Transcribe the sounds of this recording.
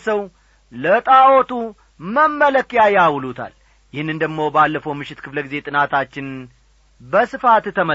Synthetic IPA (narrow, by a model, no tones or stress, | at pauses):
səw | lət̪ʼawɔt̪ʰu | məmːələkjajawlut̪ʰa̰l | jɪhɨnːɨnd̪əɡmo̞balːəfəwmɨʃːɪt̪kʰɨfləɡize̞t̪ʼɨnat̪ʰat͡ʃːɪn | bəsɨfat̪t̪ʰːəmə